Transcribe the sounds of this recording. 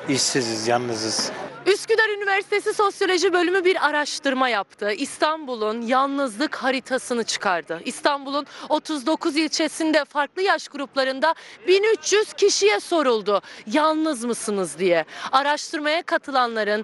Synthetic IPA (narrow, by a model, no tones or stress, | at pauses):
iʃsizizjanːɯzɯz̥yscyd̪æɾynivæɾsit̪ʰe̞siso̞sjo̞lʲo̞ʒibø̞lʲymybiɾaɾaʃt̪ʰɯɾmajap̚t̪ʰɯist̪ʰanbulˠunjalˠnɯzlˠɯkhaɾit̪ʰasɯnɯt͡ʃʰɯ̥kʰaɾd̪ɯist̪ʰambulˠuno̞t̪ʰuzd̪o̞kʰuzilʲt͡ʃʰe̞sind̪ɛfaɾklˠɯjaʃɡuɾuplˠaɾɯnd̪abinyt͡ʃʰjyz̥cʰiʃijɛso̞ɾulˠd̪ʊjalˠnɯzmɯsɯnɯzd̪ijɛaɾaʃt̪ʰɯɾmajakʰat̪ʰɯlˠanlˠaɾɯn